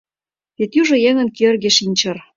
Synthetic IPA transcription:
βet̪jyʒɤ̆jeŋə̆nkørɣeʃinʲt͡ɕɤ̆r

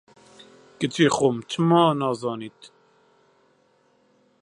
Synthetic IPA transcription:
kət͡ʃiːχomt͡ʃʰɨmɑːnɑːzɑːniːt̪

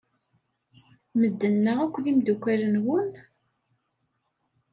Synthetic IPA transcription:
məd̪ːənːəʁækʷːðimd̪ukʷːæɾənwʊn

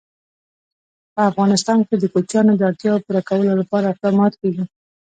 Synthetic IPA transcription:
pəafɣɑnɪst̪ɑnked̪əkot͡ʃjɑnod̪əaɽt̪jɑopuɾakawəlolapɑɾaɪq̚d̪ɑmɑt̪keɡi

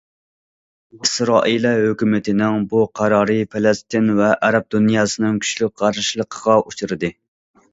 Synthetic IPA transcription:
isɾɑːʔilɛhøkʲymɪt̪ʰɪnɪŋbuqʰɑɾɑːɾɨpʰelɛst̪ɪnvɛʔæɾɛp̚d̪unjɑːsɨnɪŋkʲʰy̥ʃlyk̚ʲqɑɾʃlˠəqʰəʁɑʔut͡ʃʰuɾɨd̪ɨ

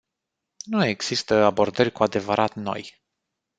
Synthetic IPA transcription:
nue̞ɡz̥ist̪əabo̞rd̪ərʲkuad̪e̞vəɾʔat̪no̞̰j

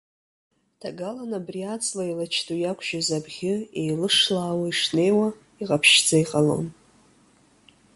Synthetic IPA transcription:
tʰaɡalanabriat͡sʼlailat͡ʃʰtʼujakʷʰʒ̥azabʁʲɪejlɨʂlaːwaiʂne̞jwa | iʁapʰʃd͡zaiqʼalo̰n

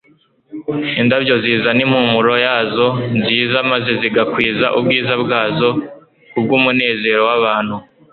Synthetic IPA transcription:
indabɟo̞ziːzanim̥humuɾo̞jaːzo̞nziːzamaze̞ziɡakwiːzaʔub̚ɡiːzabɡaːzo̞ | kub̚ɡuːmune̞ːze̞ːɾo̞waβaːn̥hu

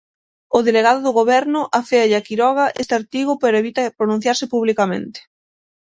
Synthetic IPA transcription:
ʊðeleɣ̞aðʊðʊɣoβɛɾnʊʔafeaʎakiɾɔɣ̞aʔest̪ɪaɾt̪iɣʊpeɾoeβit̪apɾonũn̟θjaɾsɪpuβlikamḛ̃nt̪e̥

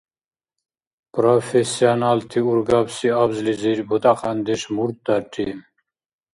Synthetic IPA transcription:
pɾofesianalt̪ʰiuɾɡɑbsiabzliziɾbut̪ɑqʰɑnd̪iʃmuɾt̪̚d̪aʈʰːi

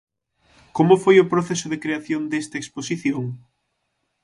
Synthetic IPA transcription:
komʊfojʊpɾoθesʊðekɾeaθjond̪est̪ɐeksposiθjoŋ

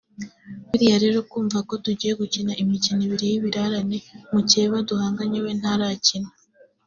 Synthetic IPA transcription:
βiɾijaɾe̞ɾo̞kuːɱvako̞tuɟiːje̞ɡucinaʔimiciniβiɾejiβiɾaɾanemuceːβaduhaːŋɡaɲewen̥haɾacina

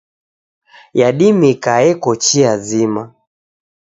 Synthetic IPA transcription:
jaɗimikaɛkɔt͡ʃiazima

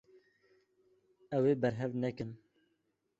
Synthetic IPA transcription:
ɛweːbɛɾɦɛvnɛkɨn

